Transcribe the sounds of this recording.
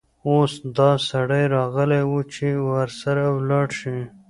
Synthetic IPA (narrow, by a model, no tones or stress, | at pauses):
osd̪ɑsaɽajɾɑɣəlewut͡ʃʰewaɾsaɾawlɑɽʃi